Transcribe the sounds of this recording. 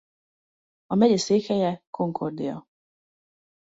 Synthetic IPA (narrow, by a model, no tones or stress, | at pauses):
ɒmɛɟɛseːkɛjɛkʰoŋkʰord̪ɪɒ̰